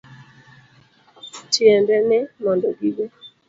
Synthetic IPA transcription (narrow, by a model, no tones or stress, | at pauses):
tjɛndɛnɛmɔndɔɡiɡe